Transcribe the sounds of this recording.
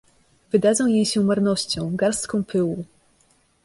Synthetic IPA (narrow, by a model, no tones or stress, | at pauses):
vɘd̪ad̪zɔ̃w̃jejɕɛumaɾnɔɕt͡ɕɔ̃w̃ɡaɾst̪kɔ̃w̃pʰɘwu